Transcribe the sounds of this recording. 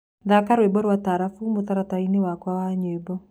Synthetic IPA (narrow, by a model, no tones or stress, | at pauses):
ðakaɾwebɔɾwataɾafumoθaɾatainewakwawaɲwebɔ